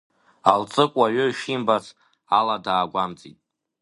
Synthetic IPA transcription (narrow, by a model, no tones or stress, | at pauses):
alt͡sʼɨkʷʼaɥoiʃimbat͡sʰ | aladaːɡʷamt͡sʼḭtʼ